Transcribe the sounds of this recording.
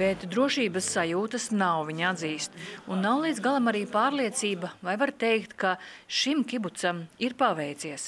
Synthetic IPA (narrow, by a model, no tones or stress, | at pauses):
bɛt̪d̪ɾuɔʃiːbəsːajuːt̪ɐsnawviɲad̪ziːst̪unːawlˠiːd̪zɡalˠamaɾiːpaːɾliɛt̪siːbavajvaɾt̪ɛjkt̪kaʃimkʲibut̪samiɾpaʋɛjt̪siɛs